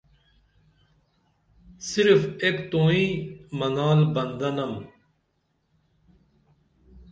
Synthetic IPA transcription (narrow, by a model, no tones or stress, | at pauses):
sɪɾfekt̪õːĩːmənaːlbənd̪ənəm